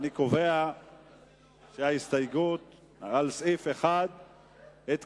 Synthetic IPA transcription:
niko̞vea | ʃeaist̪ajɡut̪ | aalsʔifeχad̪ | et̪

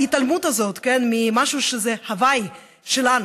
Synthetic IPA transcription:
it̪almut̪hazo̞t̪kenmimaʃuʃezehavaj | ʃelan

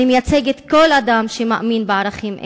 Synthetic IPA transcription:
imjat͡seɡet̪ko̞lad̪amʃemaʔaminbeaʁaχimʔḛ

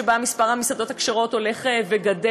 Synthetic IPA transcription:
ebamispaʁhamisad̪o̞t̪hakʃeʁo̞to̞le̞χeveɡade

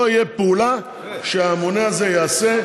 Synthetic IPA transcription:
oijepeula | ʃeamo̞ne̞aze̞jaːse̞

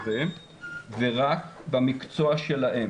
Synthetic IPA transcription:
e | veʁakbamikt͡so̞aʃe̞laʔe

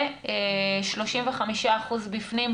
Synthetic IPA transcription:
eʃlo̞ʃimveχamiʃaːχuzbifnim

